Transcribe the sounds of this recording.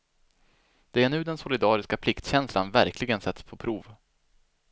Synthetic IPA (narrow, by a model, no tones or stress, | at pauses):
d̪̥ɛæɳʉ̟ːd̪ɛnsʊlɪd̪ɑːɾɪskapʰlɪkt̪ɕɛnslanvæɾklɪɡənsɛt̪spʰɔpʰɾuːv